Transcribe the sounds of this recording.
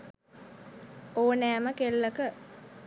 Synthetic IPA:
oːnæːməkelːəkə

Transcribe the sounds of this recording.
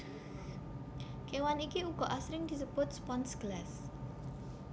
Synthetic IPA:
kewanikiuɡ̥ɔʔasɾɪŋd̪̥i̤səb̥ʊt̪̚spɔnsɡ̥las

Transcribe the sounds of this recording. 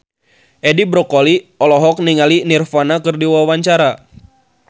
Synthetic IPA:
ʔɛdibɾɔkoliɔlɔɦɔk̚niŋalinirfanakɨrdiwawaɲt͡ʃaɾa

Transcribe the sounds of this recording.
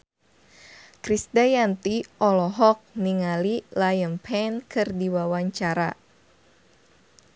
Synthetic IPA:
kɾisdajant̪iʔɔlɔɦɔk̚niŋalilajəmpʰɛnkʰɨrdiwawaɲt͡ʃaɾa

